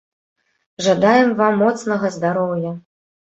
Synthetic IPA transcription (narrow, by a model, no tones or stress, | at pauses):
ʐad̪ajɛmvamːɔt̪snɐɣɐzd̪aɾɔwjɐ